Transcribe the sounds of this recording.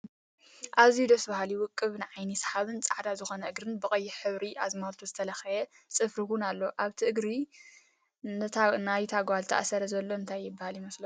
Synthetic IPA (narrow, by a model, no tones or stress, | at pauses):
ʔaβzid̪ɐsbahaliwʊkʼːɨβnɨʕajnisħaβɨnt͡sʼaʕd̪azɨxo̞nɐʔɨɡɾɨnbɨkʼɐjːɪħɨβɾiʔazmalt̪ʰuzɨt̪ʰɐlɐxɐjɛ | t͡sʼɨfɾɨhunalːoʔaβt̪ʰiʔɨɡɾi | nɨt̪ʰanajt̪ʰaɡʷalt̪ʰɐ̰ʔasɐɾɐzɐlːo̞ɨnt̪ʰajːɪbːahaljimɐslɐ